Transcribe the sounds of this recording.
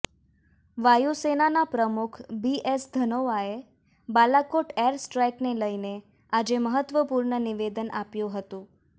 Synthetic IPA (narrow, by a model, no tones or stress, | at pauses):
ʋajusenanapɾəmukʰbiesd̪ʱənoʋae | balakoʈeɾsʈɾajkneləine | ad͡ʒeməɦət̪ʋəpuɾɳəniʋed̪ənʔapjũɦət̪ũ